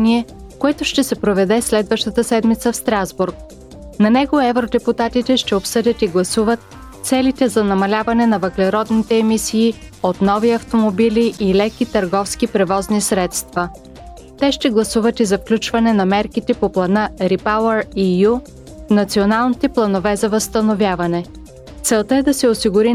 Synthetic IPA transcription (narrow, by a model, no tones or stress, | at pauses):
niɛ | koɛt̪ʊʃt̪ɛsɛpɾovɛd̪ɛslɛd̪vəʃt̪ət̪əsɛd̪mit̪səfst̪ɾazbuɾk̚ | nɐnɛɡoɛvɾod̪ɛput̪at̪it̪ɛʃt̪ɛopsɤd̪ʲət̪iɡlˠɐsuvət̪ | t̪sɛlit̪ɛzɐnɐmɐlʲavɐnɛnɐvəklɛɾɔd̪nit̪ɛːmisiːot̪nɔviɐft̪omobiliʔilɛkit̪ɐɾɡɔfskipɾɛvɔznisɾɛt̪st̪vɐ | t̪ɛʃt̪ɛɡlˠɐsuvɐt̪izɐfklʲut͡ʃvɐnɛnɐmɛɾkit̪ɛpoplˠɐnəɾipalˠəɾiju | nɐt̪sionalˠnit̪ɛplˠɐnovɛzɐvəst̪ɐnovʲjavɐnɛ | t̪sɛlˠt̪əɛd̪ɐsɛosiɡʊɾi